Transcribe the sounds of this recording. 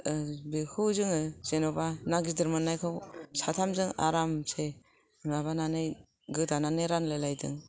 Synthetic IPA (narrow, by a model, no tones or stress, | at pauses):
bekʰɯwzɯŋɯz̥enɔbanaɡidɯɾmanːajkʰɯwsatʰamzɯŋa̰ɾamse | naβananɯj | ɡɯdananɯjɾanlelajdɯ̰ŋ